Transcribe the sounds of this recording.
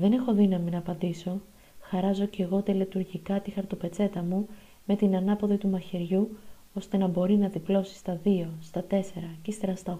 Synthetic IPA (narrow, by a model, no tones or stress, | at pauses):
ðe̞nexo̞ðinɐminɐːpɐnd̪iso̞ | xɐɾɐzo̞ce̞ɣo̞t̪elet̪uɾʝikɐt̪ixɐɾt̪o̞pe̞t͡se̞t̪ɐmu | me̞t̪inɐnɐpo̞ðit̪umɐçiɾʝu | o̞st̪e̞nɐbo̞ɾinɐðiplo̞si̥st̪ɐðio̞st̪ɐt̪e̞se̞ɾɐcist̪eɾɐst̪ɐ